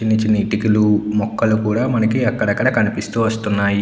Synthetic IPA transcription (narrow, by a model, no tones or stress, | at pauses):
inːɐt͡ʃinːɐiʈikilumɔkːɐlukuːɽaːmɐnɐkiɐkːɐɽɐkːɐɽɐkɐnipist̪uːʋɐst̪unːaːji